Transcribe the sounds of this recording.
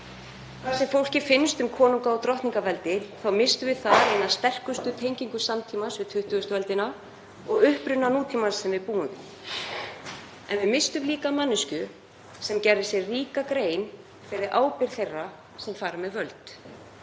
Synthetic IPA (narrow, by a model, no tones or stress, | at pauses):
θasɛmfowl̥cɪfɪnst̪ʏmkʰɔːnuŋkaɔt̪ɾɔht̪niŋkavɛlt̪ɪθawmɪst̪ʏvɪðθaðɾejnaðst̪ɛr̥kʏst̪ʏt̪ʰejɲciŋkʏsamt̪ʰiːmasvɪt̪ʰʏht̪ʏɣʏst̪ʏvɛlt̪ɪna | ɔɣʏhpɾʏnːanuːt̪ʰimasɛmvɪðpuːðʏ | ɛ̰nvɪmɪst̪ʏmliːkamanːʏscʏ | sɛmcɛɾðɪsjɛɣriːkakɾeːjn | fɪɾɪðʔaːwpɪɾ̥θejrːa | sɛmfaːɾamɛðvœlt̪